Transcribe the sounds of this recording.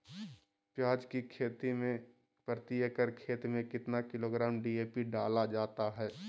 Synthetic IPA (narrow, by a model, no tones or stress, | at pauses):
pjaːd͡ʒkikʰeːt̪imẽ | pɾət̪ijəkəɾkʰeːt̪mẽkɪt̪nakɪloːɡɾaːmɖiːeːpiɖaːlad͡ʒaːt̪aɦɛː